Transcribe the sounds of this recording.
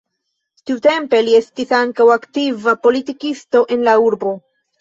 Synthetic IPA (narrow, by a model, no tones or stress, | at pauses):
tiute̞mpe̞lie̞stisaŋkawaktivapo̞litikisto̞ʔe̞nlauɾbo̞